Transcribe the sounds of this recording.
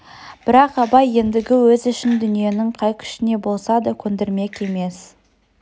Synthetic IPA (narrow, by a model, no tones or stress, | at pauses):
b̥ɪɾɑqɑbɑje̞nd̪ɪɡʲɪwɵzɪʃɪnd̪ʏnije̞nɪɴqʰɑjkʲʰʏ̥ʃɪne̞bo̞lˠsɑd̪əkʲʰɵnd̪eɾme̞kʲe̞me̞s